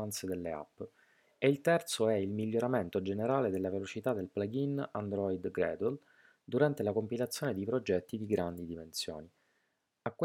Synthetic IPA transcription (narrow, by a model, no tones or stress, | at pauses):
ant̪sed̪elːea̰pː | eilt̪ɛrt̪soɛilmiʎːoɾament̪od͡ʒeneɾaːled̪elːavelot͡ʃit̪ad̪elplaɡina̰nd̪ɾɔjd̪ɡɾɛ̰ːd̪ul | d̪uɾant̪elakompilat̪sːjoːned̪ipɾod͡ʒɛt̪ːid̪iɡɾand̪id̪imensjo̰ːni | akː